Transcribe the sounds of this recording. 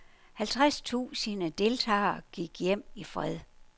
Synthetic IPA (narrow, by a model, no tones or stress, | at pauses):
hælt͡sʰʁast͡sʰṵːsənəd̥e̝lt͡sʰɑ̰̈ːɡ̥iɡ̥jem̰ifʁɛðˠ